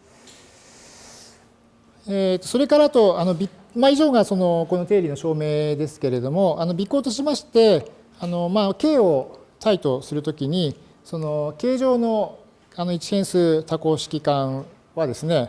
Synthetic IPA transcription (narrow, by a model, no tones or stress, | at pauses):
et̪ːo̞so̞ɾe̞kaɾat̪o̞ano̞bʲi | maiʑo̞ːɡaso̞no̞ko̞no̞t̪e̞ːɾʲino̞ɕo̞ːme̞ːd̪e̞sɨ̥ke̞ɾe̞d̪o̞mo̞ʔano̞bʲikːo̞ːt̪o̞ɕimaɕi̥t̪e̞ | ano̞make̞ːo̞t̪ait̪o̞sɨɾɯ̟t̪o̞kʲiɲ̟i | so̞noke̞ːʑo̞ːno̞ | ano̞it͡ɕi̥heɰ̃sɨːt̪ako̞ːɕi̥kʲikã | βad̪e̞sɨne̞